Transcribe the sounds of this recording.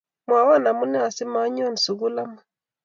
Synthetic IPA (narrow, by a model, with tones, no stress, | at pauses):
mwa˨wɔ˦˨na˨mu˦nɛ˦a˨sɪ˦ma˨˦ɲɔ˦˨n˨su˨ɣu˦la˦ma˦